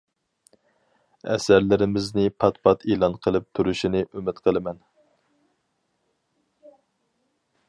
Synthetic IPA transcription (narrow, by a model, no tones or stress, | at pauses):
ɛ̰sæɾlɪɾɪmɪznɪpʰɑt̪pʰɑt̪ʰelˠɑnqʰəlˠɨp̚t̪ʰuɾuʃinɪʔymɪt̪qʰəlˠɨmɛn